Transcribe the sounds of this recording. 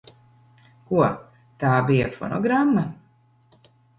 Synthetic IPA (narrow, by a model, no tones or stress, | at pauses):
kuɔ | t̪aːbijafɔnɔ̰ɡɾamːa